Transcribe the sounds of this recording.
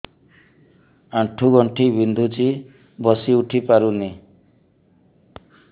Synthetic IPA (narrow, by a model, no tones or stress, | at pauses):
aʈʰuɡɔɳʈʰibind̪ʱut͡ʃi | bɔsiuʈʰipaɾuni